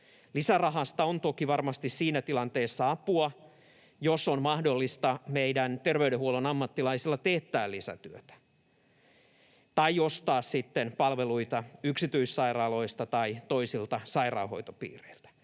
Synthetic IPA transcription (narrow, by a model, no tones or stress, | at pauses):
lisærɑɦɑst̪ɑont̪okiʋɑrmɑst̪issiːnæt̪ilɑnt̪eːsːɑɑpuɑ | josonmɑhdolːist̪ɑmeidænt̪erʋeydehuolonɑmːɑt̪ːilɑisilːɑt̪eht̪æːlisæ̰t̪yøt̪æ̥ | t̪ɑijost̪ɑːssit̪ːenpɑlʋeluit̪ɑyksit̪yisːɑirɑːlo̞ist̪ɑt̪ɑit̪oisilt̪ɑsɑirɑ̰ːho̞̰it̪opḭːreilt̪æ̥